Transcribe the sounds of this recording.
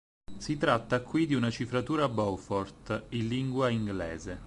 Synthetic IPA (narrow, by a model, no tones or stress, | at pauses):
sit̪ɾat̪ːakwid̪iunat͡ʃifɾat̪uːɾabɔwfɔrt̪iliŋɡwaiŋɡlɛ̰ːze